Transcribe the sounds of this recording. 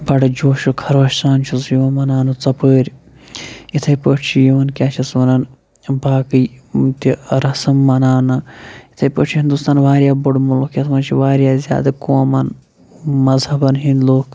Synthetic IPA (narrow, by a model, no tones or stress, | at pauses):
bɐɽɨd͡ʒoːʃukʰɐɾʋɐʃsaːnt͡ʃʰusjiʋɐnmɐnaːnɐt͡sɐpəːɾʲ | it̪ʰɐjpəːʈt͡ʃʰijiʋɐnkʲaːt͡ʃʰisʋɐnɐn | baːkɨjt̪iɾɐsɐmːɐnaːnɐit̪ʰɐjpə̰ːt͡ʃʰiɦind̪uːst̪aːnʋaːɾjaːboɖmulkʰjɐt̪ʰʋɐnt͡ʃʰiʋaːɾjaːzʲja̰ːd̪ɐkoːmɐn | mɐzhɐbɐnɦinloːkʰ